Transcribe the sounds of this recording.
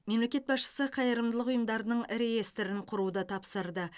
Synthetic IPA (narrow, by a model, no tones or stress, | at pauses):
me̞mle̞kʲe̞t̪̚bɑsʃə̥səqʰɑjəɾəmd̪əlˠəqʊjəmd̪ɑɾənəɴɾe̞je̞st̪ɾɪɴqʰʊɾud̪ət̪ʰɑpsəɾd̪ə